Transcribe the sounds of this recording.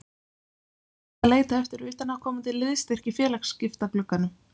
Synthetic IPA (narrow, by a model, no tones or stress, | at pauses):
aleːjt̪aɛft̪ɪɾʏːt̪anakʰɔːmat̪ʰɪlːɪðst̪er̥cɪfjɛːlaxscɪft̪aplʏkːanːʏ